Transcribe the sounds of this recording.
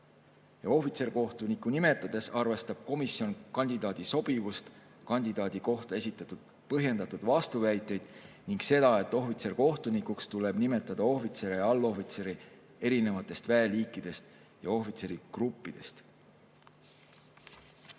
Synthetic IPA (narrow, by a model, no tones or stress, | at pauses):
jɑo̞ɦfit̪se̞rko̞ht̪unikːunime̞t̪ˑːɑd̪̥e̞sɑrve̞st̪ɑb̥̚ko̞misːio̞nkɑnʲd̪̥ʲid̪ɑːd̪̥iso̞b̥ivust̪ | kɑnʲd̪id̪ɑːd̪̥iko̞ht̪ɑe̞sit̪ːˑɑt̪ːˑud̪̥̚ | pɤɦje̞nd̪̥ɑt̪ːud̪̥vɑst̪uvæjt̪ːˑe̞jd̪̥ | niŋɡ̥se̞d̪̥ɑe̞t̪ːˑo̞ɦvit̪se̞rko̞ht̪unikukst̪ule̞b̥nime̞t̪ːˑɑd̪̥ɑo̞hfit̪se̞ɾeɑlːo̞fit̪se̞ɾi | e̞ɾine̞vɑt̪ːˑe̞st̪væeliːkˑːid̪̥e̞st̪ | jɑo̞ɦfit̪se̞ɾiɡ̥rupːid̪̥e̞st̪